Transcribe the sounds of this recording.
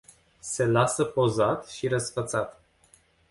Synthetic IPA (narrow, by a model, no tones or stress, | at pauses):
se̞lasəpozat̪ʃiɾəsfət̪sat̪